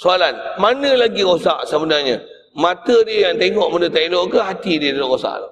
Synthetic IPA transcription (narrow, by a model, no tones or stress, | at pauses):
soalanmanə̃laɡikosa̰ʔsəbənarɲə | mãt̪ədiəjaŋt̪eŋɔʔmanət̪ailoʔkəɦat̪idiədalokosa̰ʔla